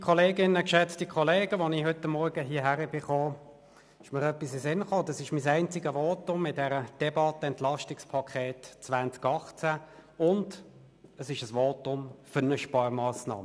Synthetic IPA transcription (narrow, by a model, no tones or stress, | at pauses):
d̥ikʰɔleːɡɪnəkʃɛt͡stikʰɔleːɡəʋonihʏtːəmːɔɾɡəɦiːɐɦæʁəbɪχoː | ɪʃməʁœpːisɪsɪnχoːd̪ɑsɪʃmisæɪnt͡sɪɡəʋoːtʊmɪtdɛɾəd̥ɛbɑtəɛntlɑʃtɪkspʰɑkʰɛːtt͡svant͡skɑχt͡sæʊnd | əsɪʃəsʋoːtʊmfʏnəʃpɑmɑːsnɑ̰ːmə